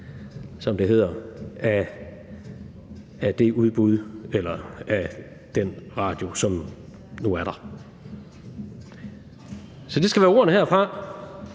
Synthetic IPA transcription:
sɒ̽md̥e̝ɦe̝ð̰ˠɐæ | æd̥e̝uð̞ˠb̥uð̞ˠelɐæ | d̥enʁɑ̈ːd̥jo̝sɒ̽m | nuæɐɾ̥ɑ̈ | sɒ̽d̥e̝sɡ̥æʋæːɐo̝ɐnəɦeɐ̰fʁɑ̈

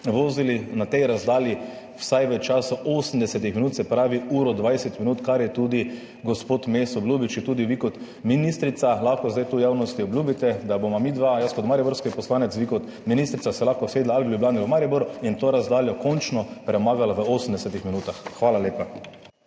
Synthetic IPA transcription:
ʋoːzilinat̪ɛjɾazd̪aːlji | wsajʋət͡ʃaːsaʔoːsnd̪ɛsɛt̪ixminuːt̪sɛpɾaːʋiuːɾɔd̪ʋajsɛt̪minuːt̪kaɾjɛt̪uːd̪i | ɡɔspoːt̪mesɔblʲubit͡ʃit̪uːd̪iʋikɔt̪ | minist̪ɾit̪salaxkɔzd̪ajt̪uːjaːwnɔst̪iɔblʲjuːbit̪ɛd̪abomɔmiːd̪ʋajəskɔt̪maɾjibɔɾskɔjpɔslaːnɛt̪sʋikɔt̪ | minist̪ɾit̪asɛlaxkɔseːd̪laaliblʲublaːniʋəmaɾibɔɾʊint̪oːɾazd̪aːljɔkɔnt͡ʃnɔpɾɛmaːɡalaʋəoːsn̩d̪ɛsɛt̪ixminuːt̪axxʋaːlaleːpa

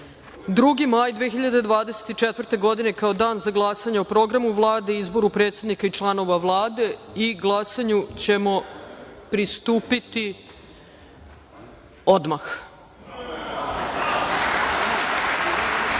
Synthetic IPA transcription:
d̪ɾuɡimajd̪ʋexiʎad̪ed̪ʋaːd̪e̞set̪it͡ʃet̪ʋrt̪e̞ɡo̞d̪ine̞kao̞d̪aːnzaɡlˠasaɲeopɾo̞ɡɾamuʋlˠaːd̪e̞izbo̞ɾupɾe̞ːt̪sʲe̞d̪nikait͡ʃlˠano̞ʋaʋlˠaːd̪e̞iɡlˠasaɲut͡ɕe̞mo̞pɾist̪uːpit̪i | od̪max

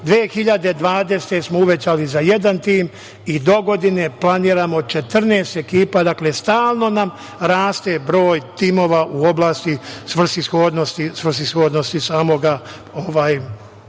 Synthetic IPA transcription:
d̪ʋeːxiʎad̪e̞d̪ʋaːd̪e̞st̪e̞smouʋe̞t͡ɕalizaje̞d̪ant̪iːm | id̪oɡo̞d̪ine̞plˠaniːɾamod̪̚t͡ʃe̞t̪r̩neːst̪e̞kiːpad̪akle̞st̪aːlˠno̞nam | ɾaːst̪e̞bɾo̞ːjt̪imo̞ːʋaʔuo̞blˠaːst̪isʋr̩sisxoːd̪nost̪isʋr̩sisxo̞ːd̪nost̪isaːmo̞ɡa | oʋaːj

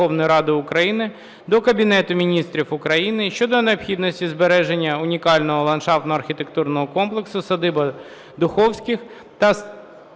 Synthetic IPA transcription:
ɔwnɔjʊɾɑd̪ɪʊkɾɐjinɪ | d̪ɔkɐbʲinɛt̪ʊmʲinʲist̪ɾʲifʊkɾɐjinɪʃt͡ʃɔd̪ɔneɐpxʲid̪nɔsʲtʲizbeɾɛʒenʲːɐʊnʲikɑlʲnɔɦɔlˠɐnʃɑft̪nɔɐrxʲit̪ekt̪urnɔɦɔkɔmplˠeksʊsɐd̪ɪbɐ | d̪ʊxɔwsʲkʲɪx | t̪ɐ

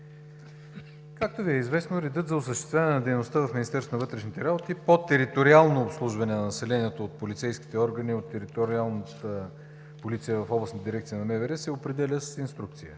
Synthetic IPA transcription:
kak̚t̪oviɛizvɛsnoɾɛd̪ɤt̪zɐosəʃt̪ɛ̥st̪vʲavənɛnɐd̪ɛjnost̪avɐfmʲinist̪ɛɾst̪onvɤt̪ɾɛʃnit̪ɛɾabot̪ipot̪ɛɾit̪oɾialˠnoːpslˠuʒvɐnɛnɐnɐsɛlɛnʲiɛt̪oːt̪̚polit̪sɛjski̥t̪ɛɔɾɡəniot̪ːɛɾit̪oɾialˠnət̪ə | polit̪sijəvɐfɔblˠəsnt̪əd̪iɾɛk̚t̪sijənɐmɛvɛɾɛsɛopɾɛd̪ɛlʲəsəsinst̪ɾukt̪sijə̰

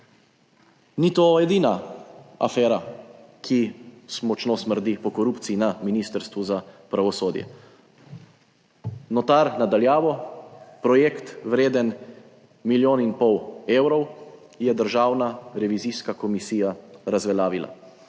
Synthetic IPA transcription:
nit̪oɛd̪iːnaa̰fɛːɾakʰismɔt͡ʃnosməɾd̪ipɔkɔɾupt̪siinaminist̪əɾst̪ʋuzapɾaʋɔsoːd̪jɛ̰ | nɔt̪aɾnad̪aljaːʋɔpɾɔjekt̪ʋɾeːd̪ən | miljoːninpɔweːwɾɔw | jɛd̪əɾʒaːwnaɾɛʋiziːskakɔmisiːjaɾazʋɛlaːʋila̰

